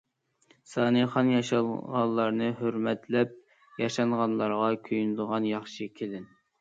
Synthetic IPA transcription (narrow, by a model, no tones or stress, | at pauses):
sɑːnɨχɑnjɑʃɑlˠʁɑnlˠɑɾnɨɦøɾmɛt̪lɛp̚ | jɑʃɑŋʁɑnlˠɑɾʁɑkʲʰøjnɨd̪əʁɑnjɑχʃɨkʲʰed̪ɪn